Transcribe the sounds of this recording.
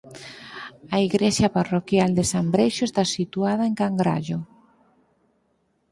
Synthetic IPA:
aiɣɾesjaparokjald̪esambɾejʃʊest̪asit̪uað̞aeŋkaŋɡɾa̰ʎʊ

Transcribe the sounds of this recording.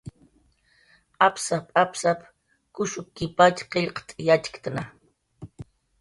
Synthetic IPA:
apsapʼapsap | kʊʃʊkːɪpat͡ʃqeʎqt̪ʼjat͡ʃkt̪ana

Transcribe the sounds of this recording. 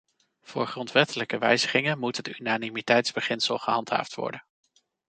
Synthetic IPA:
v̥ʊːɹχrɔntʋɛtələkəʋɛjzəχɪŋənmutɦətynanimitɛjtzbəχɪnsəlˠχəɦɑntɦa̰ːftʋɔ̰ɹdən

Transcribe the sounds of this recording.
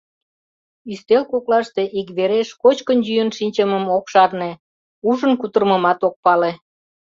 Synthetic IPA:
yst̪elkoklɑʃt̪e̽ʔikβeɾeʃkot͡ɕkənjyjənʃinʲt͡ɕəməmokʃɑrne | uʒənkut̪ərməmɑt̪ok̚pɑle

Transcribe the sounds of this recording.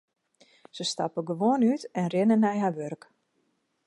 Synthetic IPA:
səstɑ̰pəɡəʋoənytɛnrɪnənɛjɦaʋørk

